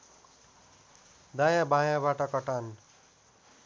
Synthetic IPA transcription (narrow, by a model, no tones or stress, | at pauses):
d̪ajabʱãjãbaʈʌkʌʈan